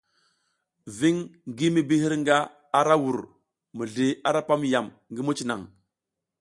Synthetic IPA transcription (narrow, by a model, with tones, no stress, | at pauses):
vi˦ŋɡi˦mi˦bi˦hi˦ɾŋɡa˦ | a˦ɾa˦wu˨ɾ | mu˨ɮi˨a˦ɾa˦pa˦mja˨m | ŋɡi˦mu˦t͡ʃi˨na̰˨ŋ